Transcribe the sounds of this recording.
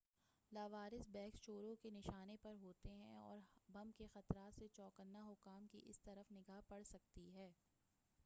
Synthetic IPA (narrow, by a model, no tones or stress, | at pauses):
laːʋaːɾɪsbɛːkst͡ʃoːɾõkenɪʃaːnepɐɾɦoːt̪eɦɛ̃ɔ̰ːɾbɐmkexɐt̪ɾaːt̪set͡ʃɔːkənːaɦʊkaːmkḭʔɪst̪ɐɾəfnɪɡaːɦpɐɽsɐk̚t̪iɦɛː